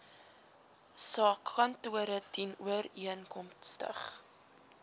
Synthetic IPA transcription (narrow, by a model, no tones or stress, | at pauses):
sɑːkːɐntuəɾətinuəriənkɔmstə̰χ